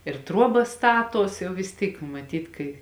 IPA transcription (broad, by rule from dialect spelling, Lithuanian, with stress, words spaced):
ɪr ˈtruɔbɐs ˈstɑːˌtuɔs ˈjɛʊ ʋʲɪs ˈtʲiːk mɐˈtʲiːt kɐɪ